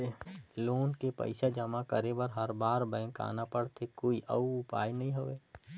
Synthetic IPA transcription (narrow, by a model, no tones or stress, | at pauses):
eloːnkepə̰ɪʃad͡ʒɐmakəɾebəɾɦəɾbaːɾbɛ̃ːka̰ːnapəɽt̪ʰekoːiʔə̰uʊpa̰ːjnɐɦĩɦoʋeː